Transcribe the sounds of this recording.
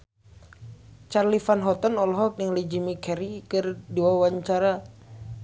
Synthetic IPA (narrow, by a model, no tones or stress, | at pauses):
t͡ʃarlifanɦɔt̪ɔnɔlɔɦɔk̚nəŋlid͡ʒimikʰɛɾikərduawaɲt͡ʃaɾa